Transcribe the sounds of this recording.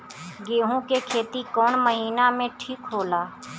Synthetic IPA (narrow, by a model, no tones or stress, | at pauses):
ɡeːɦũkekʰeːt̪ikɔːɳməɦiːnamẽʈʰiːkɦoːlaː